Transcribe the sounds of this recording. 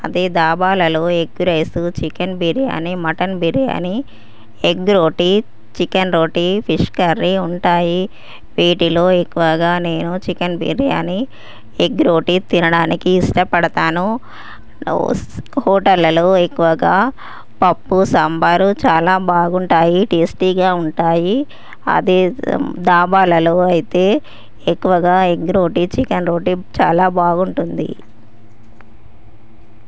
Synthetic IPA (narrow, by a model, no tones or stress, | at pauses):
ɐ̰d̪id̪aːbaːlɐloːeɡuɾeːsut͡ʃikɐnbiɾja̰ːnimɐʈɐnbiɾja̰ni | eɡɾoːʈi | t͡ʃikɐnɾoːʈipʰiʂkɐɾːiuɳʈaːji | ʋiːʈilo̞ːekːuʋɐɡaːne̞ːnut͡ʃikɐnbḭɾja̰ːni | eɡɾo̞ːʈit̪inɐɽaːnikiːsʈɐpɐɽɐt̪aːnu | hɔːʈɐlːɐloːekːuʋɐɡaː | pɐpːusɐmbaːɾut͡ʃaːlaːbaːɡuɳʈaːjiʈisʈiːɡaːuɳʈaːji | ɐ̰d̪id̪aːbaːlɐloːɐjit̪e̞ː | kːuʋɐɡaːeɡɾoːʈit͡ʃikɐnɾoːʈit͡ʃaːlaːbaːɡuɳʈund̪ḭ